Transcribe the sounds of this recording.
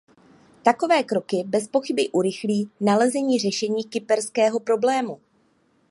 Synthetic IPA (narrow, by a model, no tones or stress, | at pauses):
t̪ako̞vɛːkɾo̞kɪbɛspo̞xɪbɪʔuɾɪxliːnalɛzɛɲiːr̝ɛʃɛɲiːkɪpɛɾskɛːɦo̞pɾo̞blɛːmu